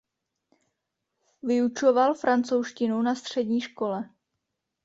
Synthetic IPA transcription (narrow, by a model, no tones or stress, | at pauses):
vɪut͡ʃo̞valfɾant͡sowʃcɪnunast̪r̝̥ɛdɲiːʃko̞lɛ